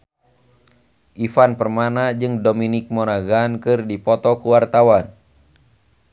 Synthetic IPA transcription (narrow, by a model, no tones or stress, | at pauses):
ʔifanpərmanad͡ʒɨŋdominɪk̚mɔɾaɡankɨrdipɔt̪ɔkuwart̪awan